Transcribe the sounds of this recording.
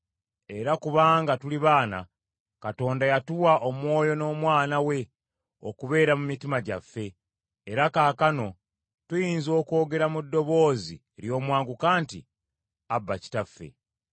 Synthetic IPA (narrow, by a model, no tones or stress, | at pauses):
e̞ɾakuβaːŋɡatuliβaːna̰ | kato̞ːndajatuwaʔo̞mwo̞ːjo̞no̞ːmwaːnawe̞ | o̰kuβe̞ːɾamumitimaɟafːe̞ː | ɾakaːkano̞ | tujiːnzo̞ːko̞ːɡe̞ɾamudːo̞βo̞ːzḭeɾjo̞ːmwaːŋɡukaːntḭ | abːaci̥tafːe̞̰